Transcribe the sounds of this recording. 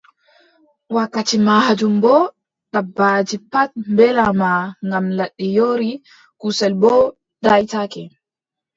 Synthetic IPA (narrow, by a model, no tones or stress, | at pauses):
wakːatimahad͡ʒumbɔ | ɗabaːd͡ʒipat̚mbɛlamaŋɡamlaɗːijoɾi | kusɛlbɔ | dajtakɛ